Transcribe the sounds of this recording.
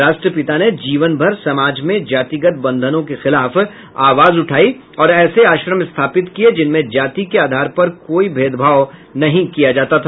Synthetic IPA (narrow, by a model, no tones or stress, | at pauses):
ɾaːʃʈɾəpɪt̪aned͡ʒiːʋənbʱɐɾsɐmaːd͡ʒmẽd͡ʒaːt̪iɡət̪̚bɐ̃nd̪ʱənõkexɪlaːf | aːʋaːzʊʈʰaːi | ɔːɾɛːseaːʃɾəmɪst̪ʰaːpɪt̪kied͡ʒɪnmẽd͡ʒaːt̪ikeaːd̪ʱaːɾpɐɾkoːibʱeːd̪bʱaːʋnɐɦĩkijad͡ʒaːt̪at̪ʰaː